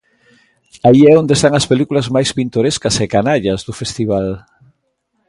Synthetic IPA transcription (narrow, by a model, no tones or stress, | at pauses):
aiɛond̪est̪aŋɐspelikulɐzmajspint̪oɾeskɐsekanaʎɐzðʊfest̪iβ̞al